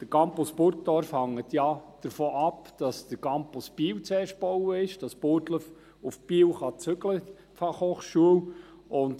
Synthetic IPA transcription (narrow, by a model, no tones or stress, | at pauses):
d̥əkɑmpuspʊɾttɔɾfhɑŋːətjɑd̥əɾfoːʔɑpd̥ɑsd̥əkɑmpʊsb̥iːwt͡sɛːʃ̚b̥owəɪʃd̥ɑspoɾdləf | ʊfpiːwχɑt͡sʏɡlə | fɑχhoːχʃuəw | ʔʊnd